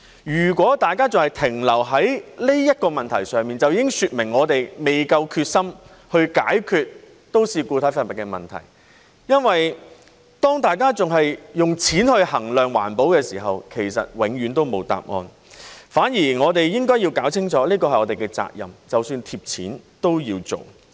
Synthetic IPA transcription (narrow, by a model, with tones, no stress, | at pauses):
jyː˨˩kʷɔː˨˥t̪aː˨jkaː˥t͡sʊ˨ŋhɐ˨˩jt̪ʰɪ˨˩ŋlɐ˨˩wɦɐ˨˥jle˥jɐ˥t̚kɔː˧mɐ˨nt̪ʰɐ˨˩jsœː˨˧ŋmiː˨nt͡sɐ˨wjiː˧˥kɪ˥ŋsyː˨˧t̚mɪ˨˩ŋːɔː˨˧t̪e˨jme˨jkɐ˧wkʰyː˧t̚sɐ˥m | hɵ˧ɥkaː˨˥jkʰyː˧t̚ | t̪o˥wsiː˨kuː˧t̪ʰɐ˨˥jfɐ˧˨t̚mɐ˨˩kːɛ˧mɐ̰˨˩nt̪ʰɐ̰˨˩j | jɐ˥nwɐ˨j | t̪ɔː˥ŋt̪aː˨jkaː˥t͡sʊ˨˩ŋɦɐ˨jːʊ˨ŋt͡sʰiː˨˥nhɵ˧ɥhɐ˨˩ŋlœː˨˩ŋwa̰ː˨˩npo˨˥wkɛː˧siː˨˩ɦɐ˨wkʰe˨˩jsɐ̰˨t̚wɪ˨˧ŋɥyː˨˥nt̪o˥wmo˨˧wt̪a̰ː˨p̚ŋɔ̰ː˧n | faː˨˥njiː˨˩ŋɔː˨˧t̪e˨jjɪ˥ŋkɔː˥ji˧wkaː˨˥wt͡sʰɪ˥ŋt͡sʰɔː˨˥liː˥kɔː˧hɐ˨˩jɔː˨˧t̪e˨˩kɛː˧t͡sa̰ː˧k̚jɐ̰˨mt͡sɐ˨wsyː˧nt̪ʰiː˧p̚t͡sʰiː˨˥nt̪o˥wjiː˧wt͡so̰˨w